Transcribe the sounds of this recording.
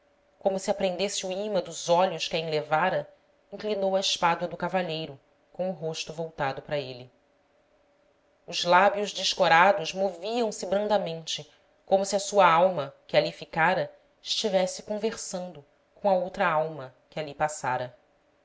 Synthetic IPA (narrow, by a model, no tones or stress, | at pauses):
kõmʊsɪapɾẽnd̪esɪuimɐd̪ʊzɔʎʊʃkɪɐĩlevaɾɐ | ĩklinowɐɪʃpad̪wɐd̪ʊkavaʎejɾʊ | kõʊɦoʃt̪ʊvowt̪ad̪ʊpɾɐeli | ʊzlabjʊʒd͡ʒɪʃkoɾad̪ʊʃmoviɐ̃w̃sɪbɾɐ̃nd̪ɐmẽnt͡ʃɪ | kõmʊsiɐsuɐawmɐkɪalifikaɾɐ | ɪʃt͡ʃivɛsɪkõveɾsɐ̃nd̪ʊ | kõɐowt̪ɾɐawmɐkɪalipasaɾɐ